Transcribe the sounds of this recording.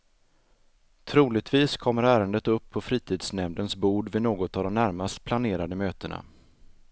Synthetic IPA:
t̪ʰɾuːlɪɡ̚t̪viːskʰɔmːəɾæːɾənd̪ət̪ɵpʰːɔfɾiːt̪ʰiːd̪snɛmd̪ənsbuːɖvɪnoːɡɔt̪avd̪ɔmnæɾmast̪̚pʰlaneːɾad̪əmøːt̪əna̰

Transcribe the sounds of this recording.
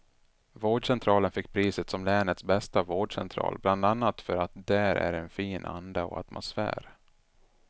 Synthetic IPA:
voːɖʂɛnt̪ʰɾɑːlənfɪkːpʰɾiːsət̪sɔmlɛːnət̪sbɛst̪avoːɖʂɛ̰nt̪ʰɾɑ̰ːlbland̪anːat̪fœɾat̪̚d̪æɾæ̰ɾɛnfiːnʔa̰nd̪aɔ̰a̰t̪mʊsfæ̰ːɾ

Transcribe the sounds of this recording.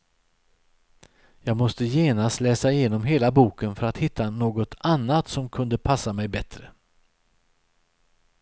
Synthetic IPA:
jɑːɡmɔst̪əjeːnast̪lɛːsaɪjeːnɔmɦeːlabuːkənfœɾat̪hɪt̪ʰːanoːɡɔt̪ʰanːat̪sɔmkʰɵnd̪əpʰasːamɛjbɛt̪ɾə

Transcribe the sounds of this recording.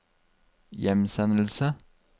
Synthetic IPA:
jɛmsɛnl̩sə

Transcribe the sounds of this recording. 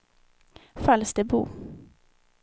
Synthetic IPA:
falsd̪ɛbṵː

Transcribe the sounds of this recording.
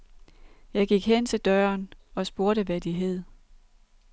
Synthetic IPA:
jɑ̈ɪɡ̥iɡ̥ɦen̰t͡sʰe̝ld̥ɶːɐnɒ̽sb̥o̝ɐɾəʋæd̥iɦeð̞̰ˠ

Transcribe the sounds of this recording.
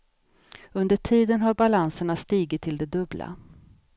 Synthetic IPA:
ɵnd̪əʈʰiːd̪ənɦaɾbalansəɳast̪iːɡɪt̪ʰːɪld̪ɛd̪ɵbla̰

